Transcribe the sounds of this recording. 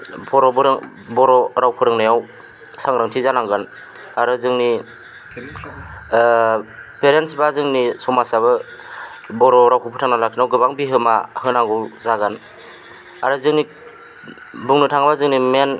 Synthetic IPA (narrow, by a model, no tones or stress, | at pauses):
pʰɔɾɔbɯɾɯŋ | bɔɾɔɾawpʰɯɾɯŋnajaw | saŋɾaŋtʰizanaŋɡɯn | aɾɯzɯŋni | peɾentsbazɯŋnisɔmasaβɯ | bɔɾɔɾawkʰɯpʰutʰaŋnalakʰinawɡɯbaŋbiɦɯmahɯnaŋɡɯwzaɡan | aɾɯzɯŋni | bɯŋnɯtʰaŋbazɯŋnimen